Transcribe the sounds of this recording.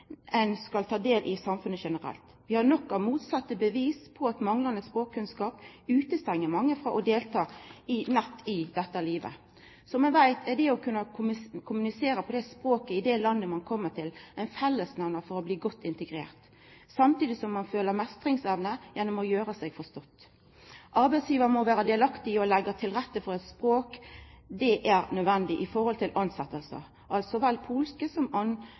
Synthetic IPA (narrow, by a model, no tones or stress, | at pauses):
ɛnskɑlt̪ʰɑːd̪eːlʔɪsɑmfʉnəʃɛnəɾɛ̰lt̪ | ʋɪhɑnɔkːɑmuːt̪sɑt̪ːəbəʋiːspʰɔɑt̪mɑŋlɑnəspɾoːkkːʉnskɑːpʉːt̪əst̪ɛŋːəɾmɑŋːəfɾɑʔɔd̪eːlt̪ʰɑːɪnɛt̪ːɪd̪ɛt̪ːəliːʋə̰ | sɔmɛnʋæɪt̪ʰɛɖ̪ɛɔkʰʉnːəkʰʊmʉnɪseːɾəpʰɔd̪ɛspɾoːkəɪd̪ɛlɑnːəmɑnkʰɔmːəʈʰɪlæɪnfɛlːəsnæʋnəfɔɾɔbliːɡɔt̪ʰːɪnt̪əɡɾḛːʁt̪ | sɑmt̪iːd̪ɪsɔmːɑnføːləɾmɛst̪ɾɪŋsɛʋnəjɛnːɔmɔjøːɾəsɛɡfɔst̪ɔt̪ː | ʔɑɾbæɪt̪sjiːʋəɾəmɔʋæːɾəd̪ɛːlɑkt̪ɪɔlɛɡːɑt̪ʰɪlɾɛt̪ːəfɔɾɛɪt̪spɾoːkd̪ɛʔæɾnœd̪ʋɛnd̪ɪʔɪfɔɾhɔlt̪ʰɪlʔɑnsɛt̪ːəlsə̰ | ʔɑlt̪sɔʋɛlpʰuːlskəsɔmɑn